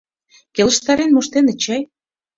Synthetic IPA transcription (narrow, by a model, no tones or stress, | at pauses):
kʲelə̆ʃt̪ɑɾenmoʃt̪enĕt͡ɕɑj